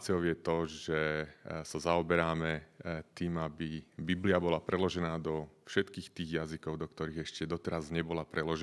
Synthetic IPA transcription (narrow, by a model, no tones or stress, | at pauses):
t͡siɔʊjɛt̪ɔʒɛsazaɔbɛɾaːmɛt̪iːmabibibliabɔlapɾɛlɔʒɛnaːd̪ɔfʃɛt̪kiːxt̪iːɣjazikɔʊd̪ɔkt̪ɔɾiːɣɛʃcɛd̪ɔt̪ɛɾazɲɛbɔlapɾʔɛlɔʒɛ